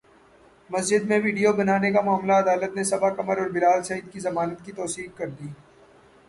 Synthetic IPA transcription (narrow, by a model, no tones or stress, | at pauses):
mɐsd͡ʒɪd̪mẽʋiːɖijobɐnaːnek̬amʊaːmlaɐd̪aːlət̪nesɐbakɐməɾɔːɾbɪlaːlsɐɦiːd̪̚kizɐmaːnət̪kit̪ɔːsiːkkɐɾd̪iː